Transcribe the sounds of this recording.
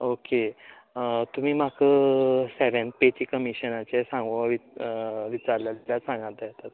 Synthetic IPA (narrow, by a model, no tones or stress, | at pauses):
oke | t̪um̤iːm̤akʰəseʋẽnpet͡ɕiːkəmiɕənat͡ɕesãŋɡoʋiʋit͡ɕaɾljad̪iljasãŋɡat̪̚d̪at̪at̪̚